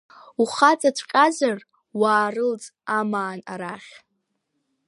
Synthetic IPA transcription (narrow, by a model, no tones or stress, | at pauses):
uχat͡sʼatʷʰqʲʼazar | waːrɨlt͡sʼamaːna̰ɾaχʲ